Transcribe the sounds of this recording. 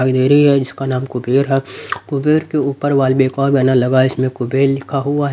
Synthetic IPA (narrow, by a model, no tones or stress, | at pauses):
aɡd̪eːɾəɦiɦɛd͡ʒɪskanaːmkʊbeːɾɦɛkʊbeːɾkeuːpəɾʋaːlbeːkãːbjaːnalɐɡaɪsmẽkʊbeːɾlɪkʰaɦʊaɦ